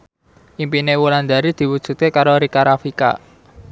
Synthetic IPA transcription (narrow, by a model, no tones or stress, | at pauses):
ʔimpinewuland̪aɾid̪̥i̤wud̥ʒ̥ṳt̪̚kekaɾoɾikaɾafika̰